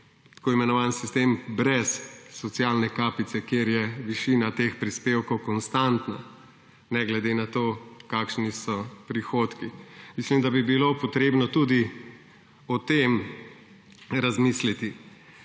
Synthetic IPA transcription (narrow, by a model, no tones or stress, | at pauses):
t̪ḁkoːimɛnɔʋaːnsist̪embɾɛsːɔt̪sijaːlnɛkaːpit̪sɛkjeːɾjɛʋiʃiːnat̪eːxpɾispeːwkɔwkɔnst̪ant̪na | nɛɡlɛd̪enat̪oːkaːkʃnisɔpɾixot̪kimislimd̪abibilopɔt̪ɾeːbnɔt̪ud̪i | ɔt̪em | ɾazmislit̪i